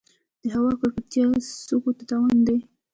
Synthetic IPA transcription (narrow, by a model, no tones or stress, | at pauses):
d̪̥əɦawɑkaɾkat̪jɑsokot̪at̪awand̪e